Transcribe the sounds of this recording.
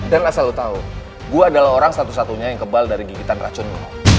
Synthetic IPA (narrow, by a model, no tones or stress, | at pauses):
danasalut̪au | ɡuaːdalaɦoɾaŋsat̪us̬at̪uɲajaŋkəbaldaɾiɡiɡit̪anra̰t͡ʃʊnɡa̰